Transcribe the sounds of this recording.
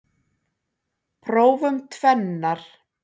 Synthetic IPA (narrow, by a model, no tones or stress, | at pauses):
pʰɾoːwvʏmt̪ʰvɛnːaɾ̥